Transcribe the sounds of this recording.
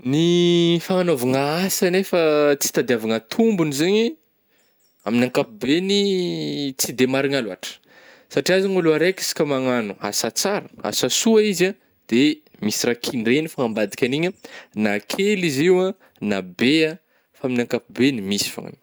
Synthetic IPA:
nifaŋanovaŋaasanefat͡si̥t̪ad̪eavaŋat̪ʰumbunizeɲi | aminaŋkapubeni | t͡sid̪emaɾiŋaluaʈ͡ʂə̥ | saʈ͡ʂiazaŋuluaɾeki̥si̥kʲəmaŋanua̰sat͡saɾə̥a̰sasuaiza | d̪̥e | misirakʰiɳɖ͡ʐenifaambad̪i̥kʲaniɲənakʰeliziwa | nabea | faaminaŋkapubenimisi̥fa̰ŋa̰n

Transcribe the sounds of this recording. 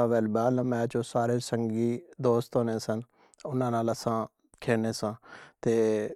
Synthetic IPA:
ãːʋɛːlbaːlə̃mɛ̃ːt͡ʃõːsaːɾeːsəŋɡiːd̪oːst̪ɦoːnẽːsən | ʊnãːnaːləsãː | kʰeːneːsãːt̪eː

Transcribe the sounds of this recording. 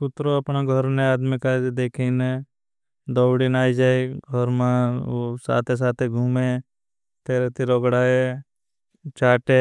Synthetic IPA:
kʊt̪ɾoɐpnaɡʱəɾnẽaːd̪mikad̪eːkʰiːne | d̪ɔːwɽinaːid͡ʒaːeɡʱɔɾmãsa̰ːt̪ʰes̬aːt̪ʰeɡʱuːmeː | t̪eːɾet̪ʰiɾɔːɡɽaːe | t͡ʃaːʈeː

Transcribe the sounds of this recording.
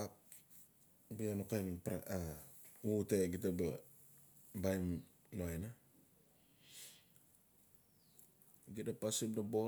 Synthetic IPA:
ap̚ | bianokajnipɾaa | uteɡitabḛ | bajm | noena | ɡitapasimnabo

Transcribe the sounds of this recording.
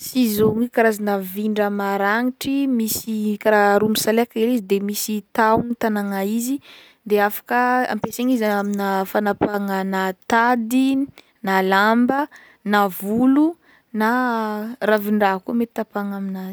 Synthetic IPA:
sizoŋikaɾazanəviɳɖ͡ʐəmaɾaŋiʈ͡ʂimisikaɾaɾumisalekəelizid̪emisit̪awnit̪anaŋaizi | d̪eafḁkəa̰mpeseɲizaaminafanapaŋanat̪ad̪i | nalambə | navulu | na | raviɳɖ͡ʐaɦkumet̪i̥t̪apaŋaminazi̥

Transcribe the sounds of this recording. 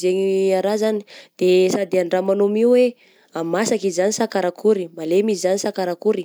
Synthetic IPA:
zeɲiaɾazani̥d̪̥esad̪eaɳɖ͡ʐamanomiuwe | amasakizzanisakaɾakʰuɾimalemizizanisakaɾakuɾi̥

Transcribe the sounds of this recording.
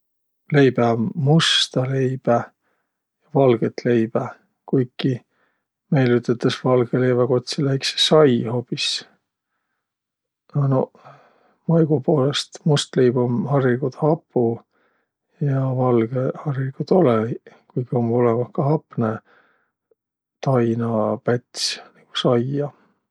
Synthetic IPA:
le̞jb̥emust̪ɑle̞jb̥æ | jɑvɑlɡ̥et̪le̞jb̥æ | kujkːi | me̞jlyt̪ːˑet̪ːˑɑsvɑlɡ̥ele̞jveko̞t̪ʲsilæjksesɑjho̞pːis | ɑno | mɑjɡ̥upo̞ːlest̪must̪lejb̥omhɑrːikud̪̥hɑpːˑu | jɑvɑlɡ̥ehɑrikud̪o̞lekujɡ̥io̞molemɑhkɑhɑpːˑne | t̪ɑjnɑpet̪ʲsniɡ̥u̥sɑjɑ

